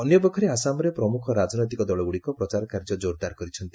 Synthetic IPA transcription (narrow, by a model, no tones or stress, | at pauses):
ɔnjɔpɔkʰɔɾeasamɔɾepɾɔmukʰɔɾad͡ʒnɔjt̪ikɔd̪ɔɭɔɡuɭikɔpɾɔt͡ʃaɾɔkaɾd͡ʒɔd͡ʒoɾd̪aɾkɔɾit͡ʃʰɔnt̪i